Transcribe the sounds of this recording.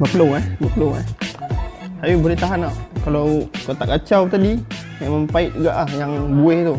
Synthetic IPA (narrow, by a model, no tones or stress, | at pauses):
bəpəlowɛbəpəlowɛ̰h | sajubolɛht̪aɦanaʔkalawkot̪aʔkat͡ʃawt̪adi | jaməmpaɪt̪̚uɡaʔlahjaŋbuɛht̪u